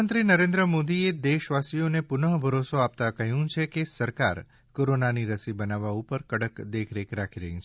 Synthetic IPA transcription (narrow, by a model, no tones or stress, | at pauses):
ənt̪ɾinəɾẽnd̪ɾəmod̪ied̪eʃʋasijonepʊnəɦbʱəɾosoap̚t̪akəɦjũt͡ʃʰekesəɾkaɾ | koɾonaniɾəsibənaʋaupəɾkəɽəkd̪ekʰɾekɾakʰiɾə̰ɦĩt͡ʃʰ